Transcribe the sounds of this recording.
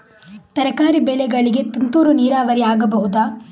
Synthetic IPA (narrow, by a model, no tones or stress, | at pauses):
t̪ɐɾɐkaːɾibɛɭɛɡɐɭiɡe̞t̪unt̪uːɾuniːɾaːʋɐɾiaːɡɐbɐɦud̪aː